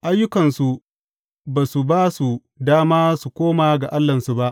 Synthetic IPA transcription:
ʔa˦jːʊ˦kɐ˨nsu˨ | baː˨su˨baː˦su˨ | daː˦maː˦su˨kʷoː˦maː˨ɡa˨ʔa˦lːɐ˨nsu˨ba˦ʔ

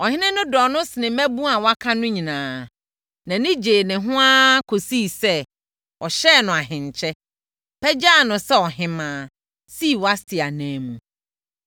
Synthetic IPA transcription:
ɔ˨ɦɪ̃˦nɪ̃˦nʊ̃˦dɔ˨nʊ̃˦sɪ˨nɪ̃˨mæ˦bũ˦a˨wa˦kʰã˦nʊ̃˦ɲĩ˨nãː˨ | nã˨nɪ̃˦d͡ʑeː˨nɪ̃˨ɦʊ̃˦a˦kʰo˨si˦˨sɛ˦ | ɔ˨ɕɛ˦˨nʊ̃˨a˨ɦɪ̃˨ɲ˨t͡ɕʰɛ˦ | pʰɛ˦d͡ʑaː˦˨nʊ̃˨sɛ˦ɔ˨ɦɪ̃˨mãː˨˦˨ | si˦˨wa˦stʰɪ˨a˨næ̃ː˨˦mũ˨

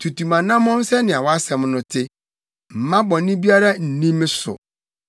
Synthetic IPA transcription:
tʰu˨tu˨mã˨nã˦mɔ̃˦n̩˦sɛ˦nɪ̃˨a˨wɔ˦a˦sɛ̃˨mnʊ̃˨tʰɪ˦ | m̩˨mã˦bɔ̃˨˦nɪ̃˦bi˦a˦ɾa˦n̩˨nĩ˦m˦sʊ̰˨

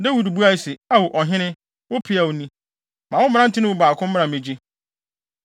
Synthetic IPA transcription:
dɛ˦wu˨du˨bu˦a˦˨sɪ˨a˦wʊ˨ʔɔ˨ɦɪ̃˦nɪ̃˦ | wʊ˦pʰɪ˨˦a˨wʊ˨nĩ˦ | mã˨wʊ˦m̃˦ã˦n̩˦tʰɪ˦nʊ̃˦wʊ˦ba˨kʰʊ̃˦m˦m̃˦ã˨mẽ˨d͡ʑi˦

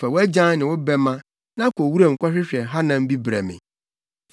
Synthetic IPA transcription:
fɛ˨wæ˦d͡ʑã˦nɪ̃˨wʊ˦bɛ˦mã˦ | nã˦kʰo˨wu˦ɾa˦˨ŋ̩˨kʷa˦ɕᶣɪ˦ɕᶣɛ˨ɦa˦nã˨m̩˦bi˦bɾɛ˨mɪ̰̃˨

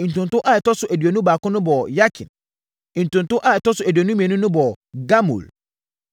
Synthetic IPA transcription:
n̩˨tũ˨ntʊ̃˦ʔa˦ɛ˨tɔ˦sʊ˨ʔæ˨dɥo˨nũ˦baː˨kʊ̃˦nʊ̃˦bɔ˨ja˦kʰɪ̰̃˨n˨ | n̩˨tʊ̃˨n˨tʊ˦ʔa˦˨ɛ˨tɔ˦sʊ˨æ˨dɥo˨nũ˦mĩ˨ɛ˨nũ˦nʊ̃˦bɔ˨ | ɡa˦mṵ˨l

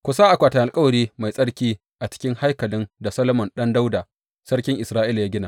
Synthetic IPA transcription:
kʷʊ˨sa˦ʔa˨kʷaː˨tɐ˨ʔa˨lkʼɐ˦wɐ˨ɽiː˦ma˨jsʼɐ˦ɽkʲiː˦ | ʔa˨t͡ʃɪ̥˦kʲɪ˦ŋha˦jkɐ˨lɪ˦nda˨sɐ˦lɐ˦mɔ˨nɗɐ˦nda˦wda˨ | sɐ˦ɽkʲɪ˦ŋʔɪ˨sɾaː˦ʔɪ˦la˨ja˦ɡʲɪ˦naː˨

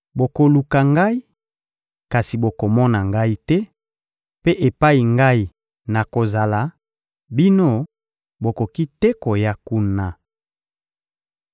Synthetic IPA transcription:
bo˨ko˨lu˨ka˨ŋɡa˦i˦ | ka˨si˨bo˨ko˨mɔ˦na˨ŋɡa˦i˦tɛ˦ | pe˦ʔe˨pa˦i˨ŋɡa˦i˨ | na˨ko˨za˨la˨ | bi˦no˦ | bo˨ko˨ki˦tɛ˦ko˨ja˦ku˦na˦

